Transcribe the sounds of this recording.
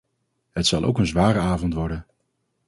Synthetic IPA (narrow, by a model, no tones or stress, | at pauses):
ɦətsɑlˠʔo̰wkənzʋaːɾəaːvɔntʋɔɹdən